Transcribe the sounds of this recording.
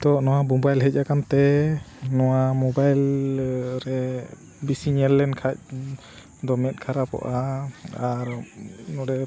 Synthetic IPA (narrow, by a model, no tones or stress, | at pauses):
t̪ɔʔnɔwabɔbajlɦɛc̚ˀakant̪ɛ | nɔwamɔbajl | ɾɛ | bisiɲɛlːɛnkʰac̚ | d̪ɔmɛt̪̚ˀkʰaɾapɔ̰ʔaaɾnɔɾɛ